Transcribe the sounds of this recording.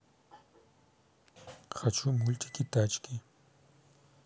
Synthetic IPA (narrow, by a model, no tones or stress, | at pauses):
xat͡ʃʰʊmʊlt̪ʰʼɪ̥kɪt̪at͡ʃkɪ